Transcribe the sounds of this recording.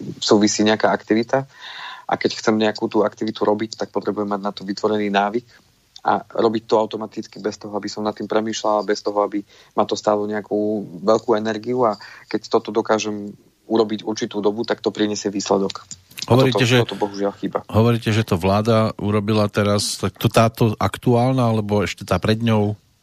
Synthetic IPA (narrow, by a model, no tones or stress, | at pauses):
suːʋisiːɲɛakaːakt̪iʋit̪aʔa̰kɛcxt͡sɛmɲɛakuːt̪uːakt̪iʋit̪uɾʔɔbict̪ak̚pɔt̪ɾɛbujɛmːaɟnat̪ɔʋit̪ʋɔɾɛniːnaːʋik | ʔa̰ɾɔbic̚t̪ɔaʊt̪ɔmat̪it͡skibɛst̪ɔɦɔabisɔmnat̪ːiːmpɾɛmiːʃlalabɛst̪ɔɦɔabi | mat̪ɔst̪aːlɔɲɛakuːʋɛʎkuːɛnɛɾɡiuakɛct̪ɔt̪ɔd̪ɔkaːʒɛm | uɾɔbicuɾt͡ʃit̪uːd̪ɔbut̪akt̪ɔpɾiɲɛsɛʋiːslɛd̪ɔk | ɦɔʋɔɾɾiːɛʒɛt̪ɔbɔɦuʒɪalxiːbaɦɔʋɔɾiːcɛʒɛt̪ɔʋlaːd̪auɾɔbilat̪ɛɾast̪ak̚t̪ɔt̪aːt̪ɔʔakt̪uaːlnaalɛbɔɛʃcɛt̪aːpɾɛd̪ɲɔʊ